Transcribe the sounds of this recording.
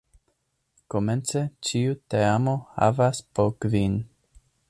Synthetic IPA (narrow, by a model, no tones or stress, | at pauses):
koment͡set͡ʃiuteamo̞ha̰vaspoɾkvin